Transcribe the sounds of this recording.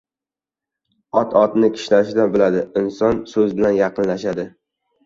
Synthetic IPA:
ɒt̪ʰɒt̪nɪkʲʰɪ̥ʃlaʃɪd̪abɪlad̪ɪɪnsɒnsɵzbɪlanjɑqɨnlaʃad̪ɪ

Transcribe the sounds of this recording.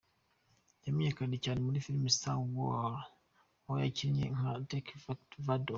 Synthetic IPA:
jamiɲekadicanimulifiɾmisawɔ | jaciɾɲḛŋ̩adekfaktvado

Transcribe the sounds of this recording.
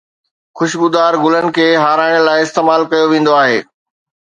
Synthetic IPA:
xʊʃbʊd̪aːɾɡʊlənɪ̆kʰeːɦaːɾaːɪɽ̃əlaːɪɪst̪eːmaːlkɐjoʋẽːn̆d̪oaːɦeː

